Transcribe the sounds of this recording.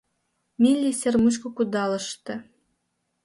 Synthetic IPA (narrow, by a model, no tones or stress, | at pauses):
milʲːisʲermut͡ɕ̬kŏkud̪ɑlɤ̆ʃt̪ɤ̆